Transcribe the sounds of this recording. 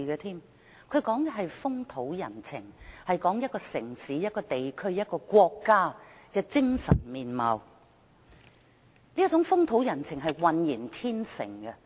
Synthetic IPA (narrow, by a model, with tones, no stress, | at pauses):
ɡɛ˧t̪ʰiː˥m | kʰɵ˨˧ɥkɔː˨˥ŋɦɐ˨jfʊ˥ŋt̪ʰo˨˥wjɐ˨˩nt͡sʰɪ̰˨˩ŋhɐ˨jkɔː˨˥ŋjɐ˥t̚kɔː˧sɪ˨˩ŋsiː˨˥jɐ˥t̚kɔː˧t̪e˨jkʰɵ˥ɥjɐ˥t̚kɔː˧kʷɔː˧kːaː˥ | kɛː˧t͡sɪ˥ŋsɐ̰˨˩nmiː˨nmɐ̰˨w | liː˥t͡sʊ˨˥ŋfʊ˥ŋt̪ʰo˨˥wjɐ˨˩nt͡sʰɪ˨˩ŋɦɐ˨jwɐ˨njiː˨˩nt̪ʰiː˥nsɪ̰˨˩ŋkɛ˧